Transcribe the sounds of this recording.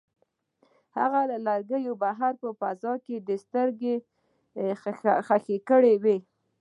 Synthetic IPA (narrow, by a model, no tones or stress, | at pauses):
ha̰ɣaləlaɾɡəjobaɦaɾpəfazɑked̪əst̪əɾɡe | xaxekəɽewe